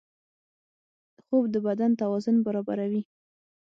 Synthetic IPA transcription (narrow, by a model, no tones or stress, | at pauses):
əxobd̪əbad̪ant̪awɑzʊnbaɾɑba̰ɾawi